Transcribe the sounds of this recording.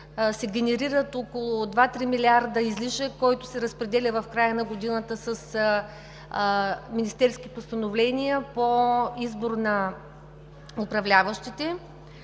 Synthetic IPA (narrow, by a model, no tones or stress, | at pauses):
sɛɡʲɛnɛɾiɾət̪okolˠʊd̪vat̪ɾimilʲiaɾd̪əizliʃəkɔjt̪ʊsɛɾəspɾɛd̪ɛlʲəvɐfkɾajənɐɡod̪inət̪əsəs | minist̪ɛɾskʲipʊst̪ɐnovlɛnʲijəpoizbʊɾnɐ | ʊpɾɐvlʲavəʃt̪it̪ɛ